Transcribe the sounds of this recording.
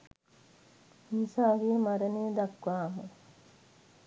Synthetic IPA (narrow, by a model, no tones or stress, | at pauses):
insaːʋiːmɐɾɐnid̪ɐkʋaːmu